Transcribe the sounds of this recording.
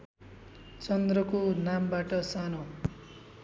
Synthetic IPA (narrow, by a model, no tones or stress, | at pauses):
t͡sʌnd̪rʌkonambaʈʌsano